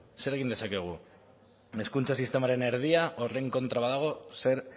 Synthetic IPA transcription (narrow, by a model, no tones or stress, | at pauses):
seɾɣind̪e̞sake̞ɣ̞u | eskunt͡ʃasist̪e̞maɾeneɾð̞iaʔoreŋko̞nt̪ɾaβaðaɣ̞ose̞ɾ